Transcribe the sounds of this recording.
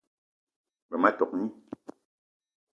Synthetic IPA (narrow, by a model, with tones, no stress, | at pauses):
bɛ˨ma˦tɔ˨k̚ɲi˦